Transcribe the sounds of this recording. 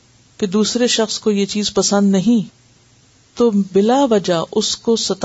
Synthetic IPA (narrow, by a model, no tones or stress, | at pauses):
ked̪uːsɾeʃɐxskojet͡ʃiːzpɐsə̃nd̪nɐɦĩ | t̪obɪlaʋɐd͡ʒaʔʊskosɐt̪